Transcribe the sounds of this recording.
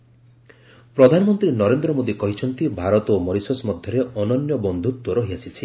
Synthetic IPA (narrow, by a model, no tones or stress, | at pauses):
pɾɔd̪ʱanɔmɔnt̪ɾinɔɾend̪ɾɔmod̪ikɔɦit͡ʃʰɔnt̪ibʱaɾɔt̪ɔmɔɾisɔsmɔd̪ʱjɔɾeɔnɔnjɔbɔnd̪ʱut̪wɔɾɔɦiasʰit͡ʃʰi